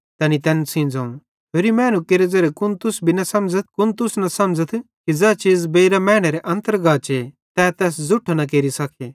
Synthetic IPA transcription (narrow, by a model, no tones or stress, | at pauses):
t̪ɐnit̪ɛːnsĩːnd͡zaːuɽ̃ | ɦeːɾimɛːñũkeɾed͡zɐɾekʊnt̪ʊsbʱinɐsɐ̃md͡zət̪̚kʊnt̪ʊsnɐsɐ̃md͡zət̪ʰ | kid͡zɛt͡ʃiːzbeiɾamɛ̃ːɽ̃eɾeʔɐ̃nt̪əɾɡaːt͡ʃe | t̪ɛːt̪ɛːs̬d͡zʊʈʰnɐk̬eːɾisɐkʰe